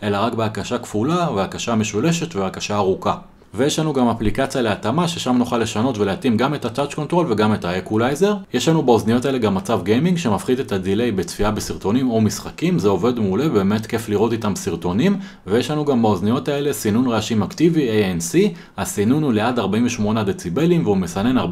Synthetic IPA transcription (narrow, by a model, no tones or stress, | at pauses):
e̞laʁakbeakaʃakfulaveakaʃaːme̞ʃule̞ʃe̞tveakaʃaːʁuka | vejeʃlanuɡamaplikat͡sijaleatamaʃe̞ʃamnuχalːe̞ʃano̞tve̞leatimɡame̞tatat͡ʃko̞ntʁo̞lve̞ɡame̞taekulajze̞ʁje̞ʃlanubaoznijo̞taele̞ɡamːat͡savɡejmiŋɡʃe̞mafχide̞tadile̞jbe̞t͡sfiabesiʁto̞nimo̞misχakimzeo̞ve̞dmeule̞beːme̞tke̞fliʁo̞titamsiʁto̞nim | vejeʃlanuɡambaoznijo̞tae̞le̞sinunʁeaʃimaktiviejensi | hasinunule̞adaʁbaiɱveʃmo̞neadet͡sibe̞limveumesane̞naʁ